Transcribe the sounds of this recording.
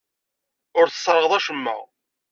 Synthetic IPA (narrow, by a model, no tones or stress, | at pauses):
ʊɾθə̥sˤːɾˤəʁðˤæʃəmːə̰ʁ